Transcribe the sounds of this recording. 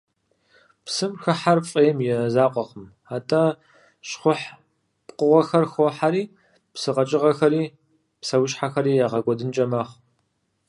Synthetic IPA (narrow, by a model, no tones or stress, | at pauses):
psɨmxɐħarfʼeːjmjɛzaːqʷʼɔqəm | aːtʰʼɐ | ʃχʷʊħ | pqʊʁʷɐxɐrxʷoħaɾiː | psɨqɐt͡ʃʼɪʁɐxɐɾiː | psɐwʊʃħaxɐɾiːjaːʁɐkʷʼɔdɨnt͡ʃʼɐmɐχ